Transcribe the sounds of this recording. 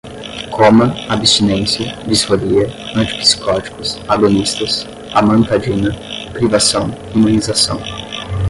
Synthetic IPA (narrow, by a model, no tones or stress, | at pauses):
kʰõmɐabist͡ʃinẽsɐbisfoɾiɐɐ̃t͡ʃi̥pi̥si̥kɔt͡ʃi̥kʊsaɡonist̪ɐs | amɐ̃nt̪ad͡ʒĩnɐpɾivasɐ̃w̃ | imɐ̃nizasɐ̰̃w̃